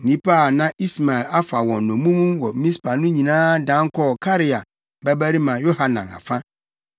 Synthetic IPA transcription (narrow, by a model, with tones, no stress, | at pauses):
nĩ˦pʰa˦˨nã˦i˦sma˨ɛ˨la˦fa˨wɔ̃˨nnʊ̃˨mũ˦mũ˦wɔ˨˦mĩ˦spʰa˨nʊ̃˦ɲĩ˨nãː˦dã˦ŋ˦kʰɔ˦˨kʰa˦ɾɪ˨a˨ | bæ˦bæ˦ɾi˦mã˨jo˦ha˨nã˨na̰˨fã˦